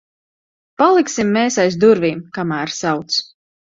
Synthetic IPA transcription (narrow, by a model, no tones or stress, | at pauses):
palˠiksimːeːsajs̬d̪uɾviːmkamæːɾsawt̪s